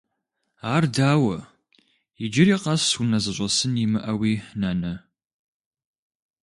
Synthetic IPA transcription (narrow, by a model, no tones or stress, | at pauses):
aːrdaːwɐ | id͡ʒɪɾiːqɐsunɐzɨɕʷʼɐsɨnimɨʔɐwiːnɐnɐ